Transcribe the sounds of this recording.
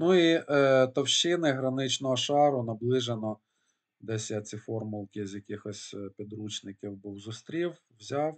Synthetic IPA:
nuiʔt̪ɐwʃɪnɪɦɾɐnɪt͡ʃnɔɦɔʃɑɾʊnɐblˠɪʒenɔ | d̪ɛsʲjat͡sʲifɔrmʊlˠkʲɪzʲjɐkʲixɔsʲpʲid̪ɾut͡ʃnɪkʲiwbuwzʊst̪ɾʲiw | wzʲɑw

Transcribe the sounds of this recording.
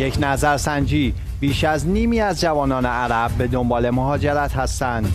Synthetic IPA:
je̞cʰnæzæɾsænd͡ʒiː | b̥iːʃæzniːmiːæzd͡ʒævɒːnɒːne̞æɾæb̚be̞d̪o̞mbɒːle̞moɦɒːd͡ʒeɾæt̪hæst̪ænd̪̥

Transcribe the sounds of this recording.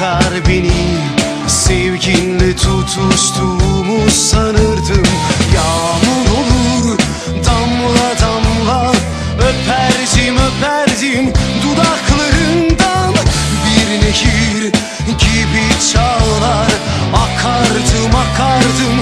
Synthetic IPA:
aɾbeni | sɛvɟinlʲit̪ʰut̪ʰuʃt̪ʰumusanɯɾd̪ɯmjamuɾolˠuɾ | d̪amlˠad̪amlˠa | øpʰæɾd̪imøpʰæɾd̪imd̪ud̪ɑklˠaɾɯnd̪an | biɾneʃiɾ | ɟibit͡ʃʰallˠaɾ | akʰaɾd̪ɯmakʰaɾd̪ɯm

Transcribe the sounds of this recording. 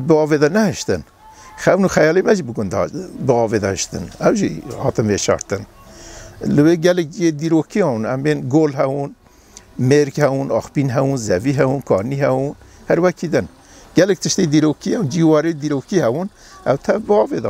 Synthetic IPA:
bɨɑːveːd̪ɑnɛhɨʃt̪ɨ̰n | xɛwnuxɛjɑːlemɛʒiːbəɡʊnd̪ɑ̰bəɑːved̪ɑhɨʃt̪ɨ̰nɛwʒḭhɑːt̪ɨnveʃɑ̰ːɾt̪ɨn | ləweːɡɛlɨk̚d͡ʒijed̪iːɾoːkʰiɑ̃ːunɛmbeːnɡoːlɦɛwun | meɾkhɛwunɑːxpiːnɦɛwunzɛviɦɛwunkʰɑːɾnihɛwun | hæɾwɛkʰiːd̪ɨn | ɡ̥ɛlɨk̚t̪ʰɨʃt̪ed̪iːɾoːkʰiɛwd͡ʒiwɑːɾed̪iːɾoːkihɛbun | ʔɛwt̪ʰɛvbɨɑːveːd̪ɑ̰

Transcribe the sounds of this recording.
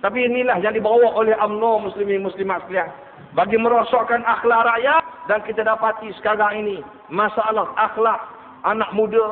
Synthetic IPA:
t̪ap̬iːnilahjaŋdibawaolɛhʔamnomuslimimuslimat̪stian | baɡiməɾosɔʔkanʔaxlaʔɾaʔjat̪̚dankit̪adapat̪isə̥kaɾaŋini | mãsaalahaxlaʔ | anaʔ̚muda

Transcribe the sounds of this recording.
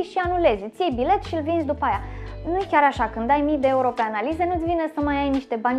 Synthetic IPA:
ʃianule̞zʲt̪sʲjejbile̞t̪ʃiɨlvinzʲd̪upajanujkʲaɾaʃakɨnd̪ajmikd̪eeuɾo̞pe̞analize̞nut̪ʲvinesəmajajniʃt̪e̞banʲ

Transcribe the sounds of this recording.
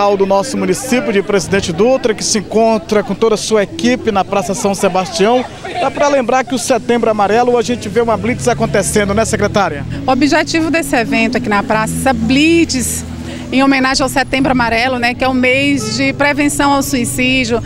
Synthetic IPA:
awd̪ʊnɔsʊmũnisipjʊd͡ʒɪpɾezid̪ẽnt͡ʃɪd̪ut̪ɾɐkɪ̥sɪẽkõnt̪ɾɐkõt̪od̪ɐsuɐekipɪnɐpɾasɐsɐ̃w̃sebast͡ʃiɐ̃w̃ | d̪apɾɐlẽmbɾaɾkɪʊset̪ẽmbɾʊamaɾɛlʊaʒẽnt͡ʃɪveũmɐblit͡ʃɪzakõnt̪esẽnd̪ʊnɛsekɾet̪aɾjɐʊobiʒet͡ʃivʊd̪esɪevẽnt̪ʊɐkinɐpɾasɐblit͡ʃɪs | ẽomẽnaʒẽawset̪ẽmbɾʊamaɾɛlʊnɛkɪɛʊ̃mejzd͡ʒɪpɾevẽsɐ̃w̃awsuisid͡ʒjʊ

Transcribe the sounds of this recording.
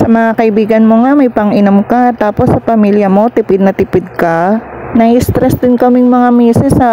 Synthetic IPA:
sɐmɐŋakɐʔɪbiːɡɐnmo̞ŋamɐjpɐŋʔɪnomkat̪aːpo̞sːɐpɐmiljɐmo̞t̪ɪpɪd̪̚nɐt̪ɪpɪd̪̚kɐnɐhist̪ɾɛsd̪ɪnkɐmɪŋmɐŋamɛːsɛsɐ

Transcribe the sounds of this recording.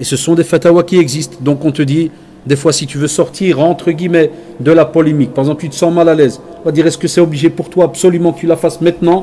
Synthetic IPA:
esəsɔ̃d̪efat̪awakʲiɛɡzist̪d̪ɔ̃kɔ̃t̪əd̪i | d̪efwasit̪yvøsɔʁt̪iːʁɑ̃t̪χəɡʲimɛ | d̪əlapɔlemik̚paʁeɛɡzɑ̃plt̪yt̪ə̥sɑ̃malalɛːz | ɔ̃vad̪iːʁɛskəsɛɔbliʒepuʁt̪waːpsɔlymɑ̃kət̪ylafasmɛ̃t̪nɑ̃

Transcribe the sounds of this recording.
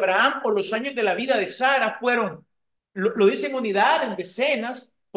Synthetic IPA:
βɾaampo̞ɾlo̞saɲo̞zðe̞laβiðað̞e̞saɾafwe̞ɾo̞ŋ | lolo̞ð̞ise̞ŋuniðaðe̞nd̪e̞senas | p

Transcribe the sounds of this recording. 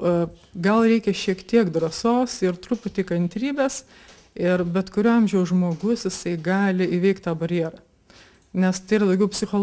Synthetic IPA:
ɡɐlˠɾʲɛɪkʲɛʃʲiɛkt̪ʲiɛkd̪ɾɐsoːsɪɾt̪ɾʊpʊt̪ʲɪkɐnʲt̪ʲɾʲiːbʲeːs | ɪrbʲɛt̪kʊɾʲuːɐmʲʒʲɛʊsʒmoːɡʊsjɪsɐɪɡɑːlʲɪiʋʲɛɪkt̪t̪ɑːbɐɾʲjiɛɾɑ | nʲɛst̪ɐɪiːɾɐd̪ɐʊɡʲɛʊpʲsʲɪxoːl

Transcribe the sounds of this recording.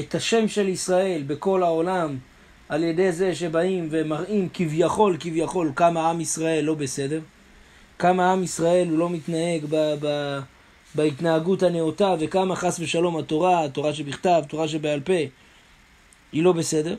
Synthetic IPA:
etaʃe̞mʃe̞lisʁae̞lbe̞ko̞lao̞lam | alje̞de̞ze̞ʃe̞baimve̞maʁimkivjaχo̞lkivjaχo̞lkamaamisʁae̞lːo̞bese̞de̞ʁ | kamaamisʁae̞lulo̞mitnae̞ɡbaba | baitnaaɡuthaneotave̞kamaχasbe̞ʃalo̞mato̞ʁato̞ʁaʃ̬ebiχtavt̪o̞ʁaʃ̬ebealpe̞ | ilo̞be̞se̞de̞ʁ

